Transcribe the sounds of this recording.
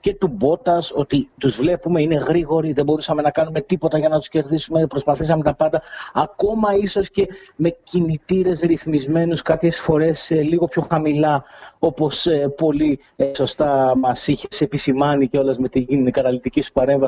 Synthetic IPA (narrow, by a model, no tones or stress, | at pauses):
ce̞t̪ubo̞t̪ɐso̞t̪it̪uzvle̞pume̞ine̞ɣɾiɣo̞ɾiðebo̞ɾusɐme̞nɐkɐnume̞t̪ipo̞t̪ɐʝɐnɐt̪u̥sce̞ɾðisumepɾo̞spɐθisɐmet̪ɐpɐnd̪ɐɐko̞mɐisosce̞me̞cinit̪iɾe̞sɾiθmizme̞nuskɐpçe̞sfo̞ɾe̞sliɣo̞pço̞xɐmilɐo̞po̞spo̞li | so̞st̪ɐmɐsiçese̞pisimɐniceo̞lɐzme̞t̪inkɐt̪ɐlit̪icisu̥pɐɾe̞ɱvɐ